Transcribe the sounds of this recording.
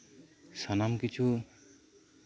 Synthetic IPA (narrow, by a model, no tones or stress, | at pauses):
sʌnamkit͡ʃʰu